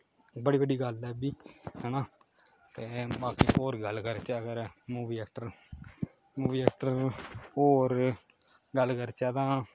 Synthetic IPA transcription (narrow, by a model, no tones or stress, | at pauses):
bəɽiːbəɖiːɡəlɛːbiːhɛːna | t̪eːbaːkiːoːɾɡəlkəɾt͡ʃɛːəɡəɾmuːʋiːɛːk̚ʈəɾ | muːʋiːɛːkʈəɾoːɾ | ɡəlkəɾt͡ʃɛːt̪ãː